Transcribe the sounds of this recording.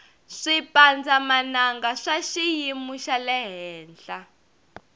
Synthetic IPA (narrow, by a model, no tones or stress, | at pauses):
ʂipand͡zamanaŋɡaʂaʃijimuʃalɛɦɛːnd͡ɮa